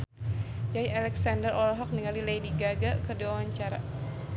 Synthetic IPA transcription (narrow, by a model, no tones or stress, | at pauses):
d͡ʒaiʔalɛksandərɔlɦɔk̚nəŋalilajdiɡaɡakərdiwawaɲt͡ʃaɾa